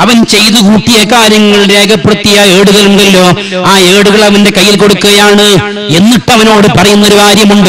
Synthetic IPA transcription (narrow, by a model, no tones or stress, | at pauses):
ɐʋɐnt͡ɕe̞jt̪ɨkuːʈːijɐkaːɾjɐŋːɐɭɾe̞ːɡɐpːeɽut̪ːijɐeːɽuɣɐluɳɖɐlːo̞ː | aːeːɽuɣɐɭɐʋɐnde̞kɐjːilko̞ɽukːuɣɐjaːɳɨ | e̞nːiʈːɐʋɐno̞ːɽɨpɐrɐjunːɐɾuʋaːɾjɐmuɳɖɨ